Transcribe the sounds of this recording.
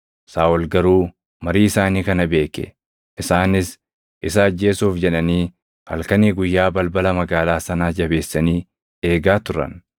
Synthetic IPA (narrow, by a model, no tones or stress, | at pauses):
saːwɔlɡɐɾuː | mɐɾiːɪsaːniːkɐnɐbe̞ːkɛ̰ | ʔɪsaːnɪs | ʔɪs̬ɐɐd͡ʒːe̞ːsuːfd͡ʒɛᶑɐniː | hɐ̰lkɐniːɡʊjːaːbɐlbɐlɐmɐɡaːlaːsɐnaːd͡ʒɐbe̞ːsːɐniː | eːɡaːt̪ʊɾɐ̰n